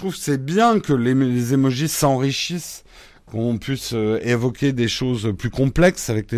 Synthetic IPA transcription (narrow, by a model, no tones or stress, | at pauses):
t̪χuvksɛbjɛ̃kəlelezemɔʒisɑ̃ʁiʃis | kɔ̃ɔ̃pɥisøevɔkʲed̪eʃozplykɔ̃plɛksavɛk̚le